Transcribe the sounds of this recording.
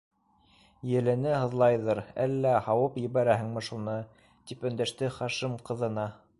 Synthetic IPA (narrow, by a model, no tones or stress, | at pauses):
jɘ̆lɘ̆nɘhɤ̆ðlˠɑjðɤɾæ̰lːæhɑwɤpjɘ̆βæɾæhɘ̆ŋmɘ̆ʃunɤ | t̪ipɵ̆nd̪æʃt̪ɘχɑʃimqɤ̆ðɤ̆nɑ